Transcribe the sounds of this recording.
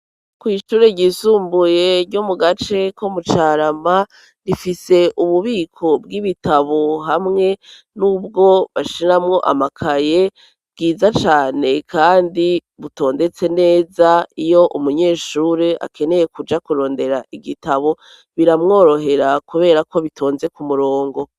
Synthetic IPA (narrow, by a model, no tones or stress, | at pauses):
kwiːʃuːɾeɟisuːmbuje̞ɾɟomuɡat͡ʃe̞kʰomut͡ʃaːɾama | nifise̞ʔuβuβiːkʰo̞bɡiβitaβoɦamŋe̞ | nuːb̚ɡo̞βaʃiɾamŋo̞ʔa̰makʰaje̞ | ɡiːzat͡ʃaːne̞kʰaːndi | βuto̞ːnde̞t͡se̞ne̞ːzaijo̞ʔumuɲe̞ːʃuɾea̰kʰe̞ne̞je̞kud͡ʒakuɾo̞ːnde̞ɾa̰ʔiɡitaβo̞ | βiɾamŋo̞ːɾo̞ɦe̞ɾakuβe̞ːɾako̞βitʰo̞ːnze̞kumuɾo̞ːŋɡo̞